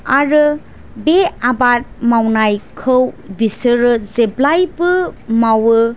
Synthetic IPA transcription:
aɾɯ | beabat̚mawnajkʰɯwbisɯɾɯzeblajpɯmawɯ

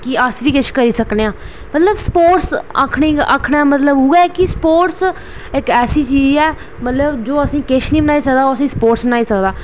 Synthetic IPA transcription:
kɪəsʋiːkɪʃkəɾiːsəkneːãː | mət̪ləbspoːʈsə̰kʰɳĩːə̰ːkʰɳaːmət̪ləbuːɡɛːkɪspoːʈs | ɪkɛːsiːt͡ʃiːd͡ʒɛː | mət̪ləbd͡ʒoːəsĩːkɪʃʰniːbənaːiːsəkd̪aːoːəsĩːspoːʈsbənaːiːsəkd̪aː

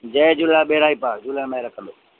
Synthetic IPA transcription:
d͡ʑɐ̃ːd͡ʑʊlaɓeːɾaːipaːkd͡ʑʊlənmẽɾɐkʰə̃nd̪oː

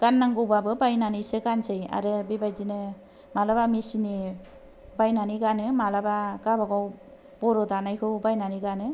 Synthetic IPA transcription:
ɡ̥anːaŋɡɯwbabɯbajnanisɯɡansɯja̰ɾɯbibajzinɯ | malabamisini | bajnaniɡanɯmalabaɡabaɡaw | bɔɾɯdanajkʰɯwbajnaniɡanɯ

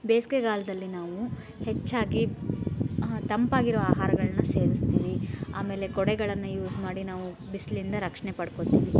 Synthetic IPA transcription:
beːskeɡaːlɐd̪ɐlːinaːʋu | het͡ʃːaːɡi | t̪ɐmpaːɡiɾoːaːɦaːɾɐɡɐɭɐnːɐse̞ːɾist̪iːʋia̰ːme̞ːle̞kɔɽɛɡɐɭɐnːɐjuːsmaːɽinaːʋu | bislind̪ɐɾɐkʂɐɳepɐɽkot̪iːʋi

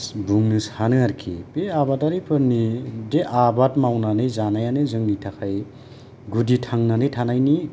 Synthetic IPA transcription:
sbuŋnɯshanɯaɾkʰḭpeabataɾipʰɯɾnideʔabatmawnanɯjzanajanɯzɯŋnitʰakʰaj | ɡuditʰaŋnanɯjtʰanajni

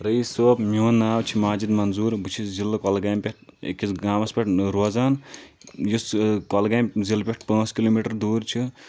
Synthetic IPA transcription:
ɾɐjsoːpmiɦunːaːwt͡ʃʰimaːd͡ʒid̪mɐnzuːɾbut͡ʃʰiszilːɐkɐlɡaːmpʲeʈ̚kisɡaːmɐspʲɐʈʰɾoːzaːn | juskɔlɡaːmzilpʲeʈ̚ʰpɐ̃ːskiloːmiʈɐɾd̪uːɾt͡ʃʰi

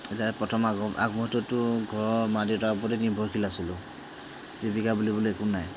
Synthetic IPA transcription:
ɛtaɹɛpɹɔtʰɔmaɡɔʔa̰ɡmɔɦɔtːɔtːʊɡʱɔɹɔɹmadiɔtap̬ɔtɛnibʱɔɹkʰilasilʊ | zibikabulibuliɛkunaj

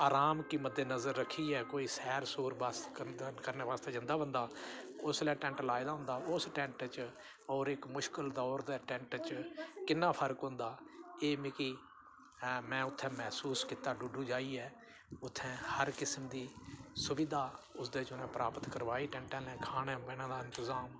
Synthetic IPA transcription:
aːɾaːmkiːməd̪ːeːnəzəɾːəkʰːiːɛːkoːiːsɛːɾsoːɾbaːskəɾneːʋaːst̪eːd͡ʒɪ̃nd̪aːbənd̪aːʊslɛ̃ːʈɛ̃ːɳʈlaːɪd̪aːɦʊ̃nd̪aːʊsʈɛ̃ːɳʈt͡ʃ | ɔːɾɪkmʊʃkəld̪ɔːɾd̪eːʈɛ̃ːɳʈt͡ʃkɪnːaːpʰəɾkɦʊ̃ːnd̪aːeːmɪkiː | mɛ̃ːʊt̪ʰːɛ̃ːmɛːsuːskiːt̪aːɖuɖũːd͡ʒaːiːɛː | ʊt̪ʰːɛ̃ːhəɾkɪsəmd̪iːsʊʋɪd̪aːʊsd̪eːt͡ʃʊnɛ̃ːpəɾʔaːpət̪kəɾʋaːiːʈɛ̃ːɳʈɛ̃ːlɛ̃ːkʰaːɽẽːbɛːnãːd̪aːɪ̃nt̪əzaːm

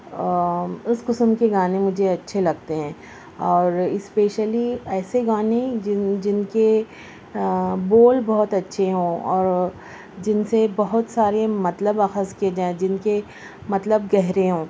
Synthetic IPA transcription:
ʊsqʊsmkeɡaːnemʊd͡ʒʱeɐtːʃʰelɐɡt̪eɦɛ̃ː | ɔːɾɪspeːʃəliɛːseɡaːned͡ʒɪnke | boːlbɔɦʊt̪ɐtːʃʰeɦõːɔːɾ | d͡ʒɪnsebɐɦʊt̪saːɾemɐt̪ləbaːxəzkied͡ʒaːẽd͡ʒɪnke | mɐt̪ləb̚ɡɛɦɾeɦõː

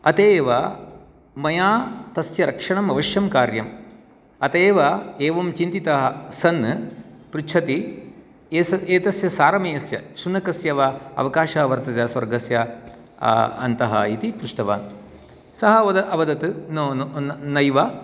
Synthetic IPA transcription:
ɐt̪eːʋɐ | mɐjaːt̪ɐsjɐɾɐkʂɐɳɐmɐʋɐʃjɐmkaːɾjɐm | ɐt̪eːʋɐeːʋɐmt͡ʃint̪it̪ɐɦɐsɐnːɨpɾut͡ʃʰɐt̪i | esɐeːt̪ɐsjɐsaːɾɐmeːɐsjɐ̰sunɐkɐsjɐʋɐɐ̰ʋɐkaːʃaʋɐɾt̪ɐt̪jɐswɐɾɡɐsjɐ̰ | ɐ̰nt̪ɐɦɐ̰it̪ipɾuʂʈɐʋa̰ːn | sɐɦɐɐɐɐʋɐd̪ɐt̪ɨnonnɐjʋɐ

